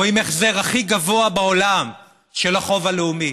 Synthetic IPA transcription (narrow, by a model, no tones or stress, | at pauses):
oimeχze̞ʁaχiɡavo̞abeo̞lam | ʃelaχo̞valeumi